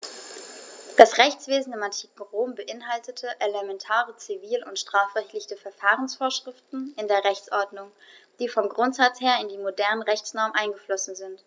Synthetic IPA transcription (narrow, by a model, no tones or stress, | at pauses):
d̥asʁɛçt͡sv̥eːzn̩ɪmantʰi̥ːkŋ̩ʁoːmbəʔɪnɦaltətʰəʔelemɛntʰaːʁət͡siviːlʊntʃtʁ̥aːfʁɛçtlɪçtəfɛɐfaːʁənsfoːɐʃʁ̥ɪftn̩ɪndeːɐʁɛçt͡sʔɔɐdnʊŋd̥iːfɔmɡʁʊntz̥at͡sheːɐɪndiːmodɛɐnəʁɛçt͡snɔɐmʔaɪnɡəflɔsn̩zɪnt